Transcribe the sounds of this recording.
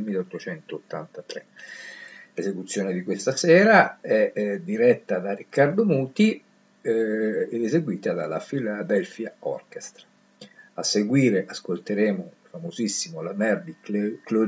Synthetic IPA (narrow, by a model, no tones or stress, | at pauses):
lmilːeɔt̪ːot͡ʃɛnt̪oːt̪ːa̰nt̪at̪ɾḛ | lezekut̪sːjoːned̪ikwest̪asɛːɾaɛd̪iɾɛt̪ːad̪arikːard̪omuːt̪i | eezeɡwiːt̪ad̪a̰la̰filab̪ɛlfjaɔ̰rkest̪ɾḁ | asːeɡwiːɾeʔaskolt̪eɾeːmofamozisːimolamɛrd̪iklo